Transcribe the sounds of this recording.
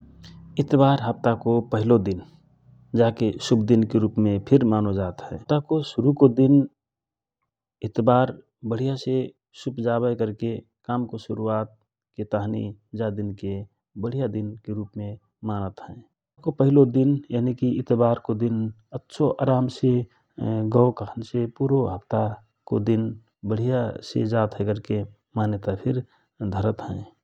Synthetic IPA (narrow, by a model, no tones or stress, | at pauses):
ɪt̪baːɾɦəp̚t̪akopəɦɪlod̪ɪn | d͡ʒaːkesʊbʰd̪ɪnkeɾuːpmẽpʰɪɾmaːnod͡ʒaːt̪ɦɛ̃ːt̪akoʃʊɾukod̪ɪn | ɪt̪baːɾ | bəɽ̤ijase | sʊbd͡ʒaːbəjkəɾkekaːmkoʃʊɾuaːt̪̚ | ket̪aːɦnḭd͡ʒad̪ɪnke | bəɽ̤ijad̪ɪnkeɾuːpmẽ | maːnət̪ɦɛ̃ː | kopəɦɪlod̪ɪnjaːnikiɪt̪baːɾkod̪ɪn | ətːʃʰoʔaːɾaːmse | ɡəwkəkʰənsepuːɾoɦəpt̪a | ko̰d̪ɪn | bəɽ̤ijasḛd͡ʒaːt̪ɦɛkəɾke | maːnet̪apʰɪɾ | d̪ʱəɾət̪ɦɛ̃ː